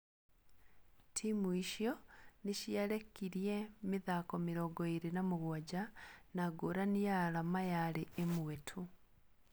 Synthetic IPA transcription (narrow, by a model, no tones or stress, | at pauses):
tʰimuiʃjɔneʃjaɾekːiɾiɛmiðakɔmiɾɔɡɔiɾenamuɣwad͡ʒanaɡoɾanijaɾamajaɾeːmwwetʰu